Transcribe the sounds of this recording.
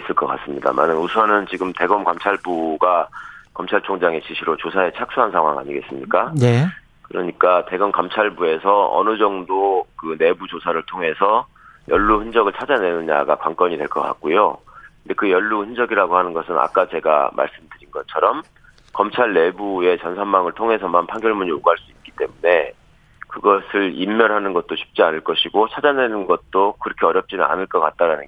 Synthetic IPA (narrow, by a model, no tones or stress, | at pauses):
is͈ɯɭk͈ʌk͈a̰s͈ɯmɲida̰ma̰nɯnusʰʌnɯnt͡ɕiɡɯmte̞ɡʌmkʌmt͡ɕʰaɭbuɡakʌmt͡ɕʰaɭt͡ɕʰoŋd͡ʑaŋe̞ɕʰiɕʰiɾot͡ɕosʰae̞t͡ɕʰak̚s͈ʰuɦansʰaŋɦwa̰ŋa̰ɲiɡe̞s͈ɯmɲik͈ane | kɯɾʌɲik͈ate̞ɡʌmkʌmt͡ɕʰaɭbue̞sʰʌʌ̰nɯd͡ʑʌŋdokɯne̞bud͡ʑosʰaɾɯɭtʰoŋɦe̞sʰʌ | jʔʌɭːuhɯnd͡ʑʌɡɯɭt͡ɕʰad͡ʑane̞nɯɲa̰ɡakwaŋk͈ʌɲidwe̞ɭk͈ʌk͈a̰k̚k͈ojondekɯjʌɭːuhɯnd͡ʑʌɡiɾaɡohanɯnɡʌsʰɯna̰k͈at͡ɕe̞ɡa̰ma̰ɭs͈ɯmdɯɾinɡʌt͡ɕʰʌɾʌm | kʌmt͡ɕʰaɭːe̞bue̞t͡ɕʌnsʰamːaŋɯɭtʰoŋɦe̞sʰʌmanpʰaŋɡjʌɭmuɲioɡɦaɭs͈uit̚k͈i̥t͈e̞mune̞ | kɯɡʌsʰɯɭimːjʌnɦanɯnɡʌt̚t͈oɕʰi̥p̚t͡ɕ͈ianɯɭk͈ʌɕʰiɡot͡ɕʰad͡ʑane̞nɯnɡʌt̚t͈okɯɾʌkʰe̞ʌɾjʌp̚t͡ɕ͈inɯna̰nɯɭk͈ʌk͈at̚t͈aɾanɯnɡ